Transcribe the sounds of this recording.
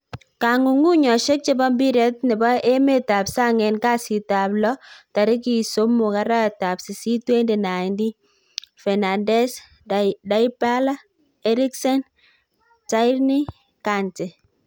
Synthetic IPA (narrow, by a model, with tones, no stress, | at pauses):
ka˨ŋu˨ŋu˦ɲɔ˨ʃɛ˦k̚t͡ʃɪ˦bɔ˦mbi˦ɾɛ˦t̚nɪ˨bɔ˦ʔe˦me˦ta˨psa˦ŋɛ˨nka˦si˨ta˨blɔ˦ta˨ɾɪ˦k̬i˨so˦mːu˨ka˦ɾa˦˨ta˨psi˨si˦twe˦nde˨na˨ɪ˨ndi˦ | fɛ˨na˨ndɛ˦s | da˦i˦pa˦la˦ | ɛ˦ɾi˦ksɛ˦n | ta˦jɾni˦ | ka˨ntɛ˨